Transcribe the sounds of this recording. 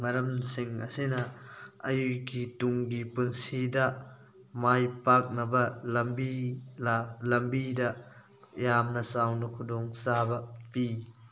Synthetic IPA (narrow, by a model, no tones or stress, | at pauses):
ŋɐɾɐmsiŋɐ̰sinɐɐjujkituŋɡipunsidɐ | majpak̚nɐbɐlɐmbi | lɐmbidɐ | jamnɐsawnɐkʰudɔŋsabɐpi